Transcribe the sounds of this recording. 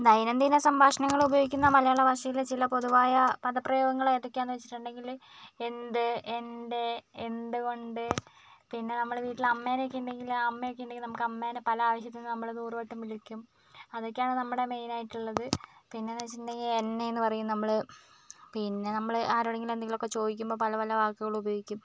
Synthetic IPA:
d̪ɐjnɐnd̪inɐsɐmbʱaːʂɐnɐŋːɐɭubɐjoːɡikʲːunːɐmɐlɐjaːɭːɐʋɐʂɐjilt͡ɕilɐpo̞ðuʋaːjɐpɐðɐpːrɐjoːɡɐŋːɐɭoed̪ukʲːaːnːɨʋet͡ɕːi̥ʈːuɳɖe̞ŋɡil | e̞nd̪ɨenɖe̞end̪ɨko̞ɳɖɨ | pinːe̞nɐmːɐɭʋiːʈːilɐmːeːnekːejuɳɖe̞ŋɡilɐmːɐjokːejunɖe̞ŋɡilnɐmukːɐmːeːnpɐlɐaːʋɐɕjɐt̪ːinːɨnɐmːɐɭnuːrʋɐʈːɐmʋilikʲːum | ɐðo̞kːejaːɳɨnɐmːuɽe̞me̞jnaːjiʈːuɭːɐðɨpinːenɐt͡ɕːinde̞ŋɡilenːejenːɨpɐrɐjːumnɐmːɐɭ | pinːe̞nɐmːɐɭaːɾoɽɐŋɡilend̪eŋɡilokːe̞t͡ɕo̞ːd̪ik̬ʲːumbo̞ːpɐlɐpɐlɐʋaːkːɨɣɐɭubɐjo̞ːɡikʲːum

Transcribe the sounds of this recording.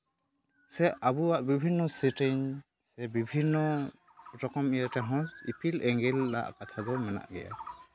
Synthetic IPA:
sɛʔabuwaʔbibʱinːɔsitɛɲ | sɛbibʱinːɔ | ɾɔkɔmijatɛɦɔ̃sḭpʰilɛŋɡɛlːa̰ʔkat̪ʰad̪ɔmɛna̰ʔɡɛ̰ja̰

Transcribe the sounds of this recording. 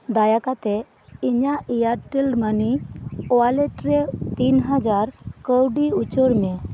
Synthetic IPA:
d̪ajakat̪e | iɲaʔijaʈːilɖmaniɔaleʈɾet̪iːnɦəd͡zaɾkəwɖiut͡ɕɔɽme

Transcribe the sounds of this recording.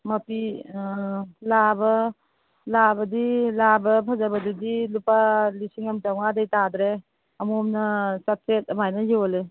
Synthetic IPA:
mɐpi | labɐ | labɐdilabɐpʰazabɐdidilupalisiŋamtawŋadejtadɾe | ɐmumnɐsat̚setɐmajnajiwɔle

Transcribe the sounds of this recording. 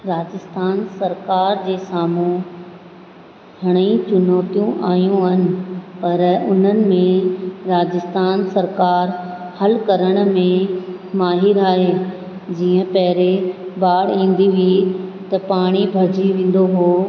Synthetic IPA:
ɾaːd͡ʑɪst̪ʰaːnsɐɾkaːɾd͡ʑeːsaːmũ | ɦɐɽ̃ĩt͡ɕʊnɔːt̪ijũʔa̰ːijũɦɐnɪ̆pɐɾʊn̤ənɪ̆mẽɾaːd͡ʑɪst̪ʰaːnsɐɾkaːɾhɐlkɐɾəɽ̃̆mẽmaːɦɪɾaːɦe | d͡ʑiːə̃pɐɦɪɾebaːɽ̤ĩːnd̪iʋit̪ɐpaːɽ̃ibʱɐɾd͡ʑiʋẽːn̆d̪oɦoː

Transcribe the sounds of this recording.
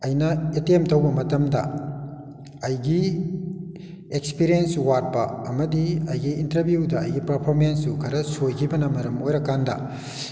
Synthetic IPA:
ɐjnɐetemtɐwbɐmɐtɐmdɐ̰ | ɐjɡi | ekspiɾiensuwat̚pɐɐmɐdiɐjɡiːntɐɾbjudɐ̰ːjɡipɐɾpʰoɾmensjukʰɐɾɐsojkʰibɐnɐmɐɾɐmojɾɐkandɐ̰

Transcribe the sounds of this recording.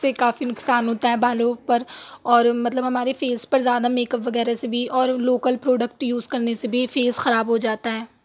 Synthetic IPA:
ekaːfinʊksaːnɦoːt̪aɦɛbaːlõːpɐɾ | ɔːɾmɐt̪ləbɦɐmaːɾefeːzpɐɾzjaːd̪ameːkəpʋɐɣɛːɾasebʱiʔɔːɾloːkəlpɾoːɖək̚ʈjuːzkɐɾnesebʱifeːzxɐɾaːbɦod͡ʒaːt̪aɦɛː

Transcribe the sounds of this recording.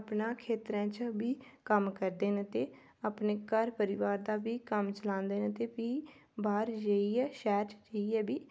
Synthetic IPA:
pnãːkʰeːt̪ɾãːt͡ʃbiːkəmkəɾd̪eːnət̪eː | apneːkəɾpəɾɪʋaːɾd̪aːbiːkəmt͡ʃəlãːnd̪eːnət̪eːpiːbaːɾd͡ʒəiːɛːʃɛːɾʈd͡ʒəiɛːbiː

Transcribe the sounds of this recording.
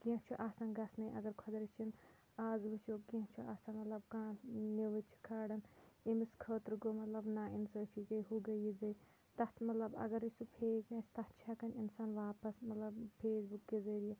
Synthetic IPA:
kãt͡ʃʰuʔaːsaːnɡɐsnɐĩʔɐ̰ɡɐɾkʰɐd̪ɾit͡ʃʰin | aːzlut͡ʃʰoːɡĩt͡ʃʰuaːsaːnmɐt̪lɐbkãːniʋɐt͡ʃʰi̥kʰaːɽɐnemiskʰəːt̪ɾɡoːmɐt̪lɐbnaːinsəːpʰikɐɦuɡɐjizɐj | t̪ɐt̪mɐt̪lɐbɐ̰ɡɐɾisupʰeːkɐːsʲt̪ɐt͡ʃʰakɐninsaːnʋaːpɐsmɐt̪lɐbpʰeːsbukːezɐɾije

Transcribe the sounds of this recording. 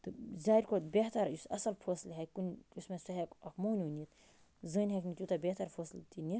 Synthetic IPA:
t̪ɨzaːɾʲkot̪bʲeɦt̪ɐɾjusɐsɐlfʰəːslɦɛkunʲusmesɐɦekɐkmoːnʲunit̪ | zɨːnʲɦeknit̪ʲjut̪ɐbʲeht̪ɐɾfʰoːslt̪init̪

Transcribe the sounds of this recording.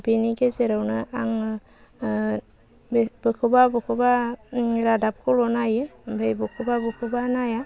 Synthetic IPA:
biniɡezeɾawnɯaŋ | bɯkʰɯbabukʰɯba | ɾadap̚kʰulɔnajɯbʱejbukʰɯbabukʰɯbanaja

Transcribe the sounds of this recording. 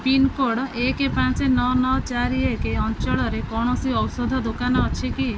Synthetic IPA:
pinkoɽekepãt͡ʃenɔnɔt͡ʃaɾiekeɔnt͡ʃɔɭɔɾekɔɽ̃ɔsiɔwsɔd̪ʱɔd̪okanɔːt͡ʃʰiki

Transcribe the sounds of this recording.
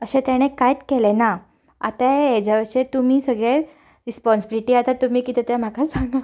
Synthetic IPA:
əɕẽt̪jaɽ̃ekajt̪kelena | a̰t̪aed͡ʑaʋəɾʂet̪um̤iːsəɡɭe | ɾispɔnsibiliʈiat̪at̪ːum̤iːkit̪et̪jam̤akasaŋɡa

